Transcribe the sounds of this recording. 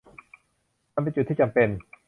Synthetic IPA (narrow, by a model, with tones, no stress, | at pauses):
a˧mpe˧nt͡ɕu˨˩t̪ʰːiː˥˩t͡ɕa˧mpe˧n